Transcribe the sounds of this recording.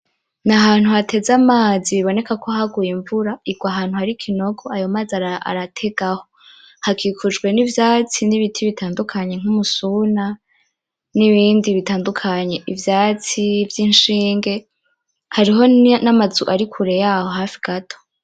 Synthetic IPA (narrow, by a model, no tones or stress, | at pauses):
naɦaːn̥huhatʰe̞zamaːziβiβo̞ne̞kakʰo̞haɡujiɱvuɾaiɡwaɦaːn̥huhaɾikʰino̞ɡo̞ajo̞maːzaaʔa̰ɾatʰe̞ɡ̥aho̞ | hakʰikʰud͡ʒɡwe̞nivjaːt͡siniβitʰiβitʰaːndukʰaɲe̞ŋ̥umusuna | niβiːndiβitaːndukʰaɲe̞ʔivjaːt͡sivjinʃiːŋɡe̞ | haɾiɦo̞namazuʔaɾikʰuɾe̞jaho̞ɦaːfiɡ̥atʰo̥